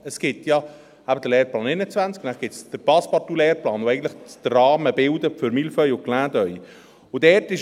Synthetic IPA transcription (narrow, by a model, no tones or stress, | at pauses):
əsɡ̥ɪtjɑ | æbəd̥̪əlɛːɾplɑːnɛɪnət͡svænt͡skʊnæχɡ̥ɪtt͡sd̥əɾpɑspɑtulɛːɾplɑːnoɛɪɡəntləχd̥̪rɑːməbɪld̪əfʏɾmilfœjʊklæːdœʏ | ʊd̥ɛɾtɪʃ